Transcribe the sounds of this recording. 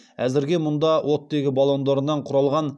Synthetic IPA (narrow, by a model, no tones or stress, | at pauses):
æzɪɾɡʲe̞mʊnd̪ɑwʔo̞t̪d̪e̞ɡʲɪbɑlˠo̞nd̪ɑɾənːɑɴqʰʊɾɑlˠʁɑn